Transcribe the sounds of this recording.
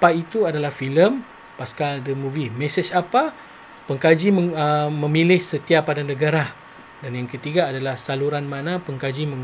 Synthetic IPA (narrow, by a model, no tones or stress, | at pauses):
pait̪uadalahfiləm | paskaldəmũvimɛsət͡ʃapa | pəŋkad͡ʒiəmə̃mĩlɪhsət̪iapadanə̃ɡaɾa | danjaŋkət̪iɡaːdalahsaluɾanmãnãpəŋkad͡ʒimə̃ŋ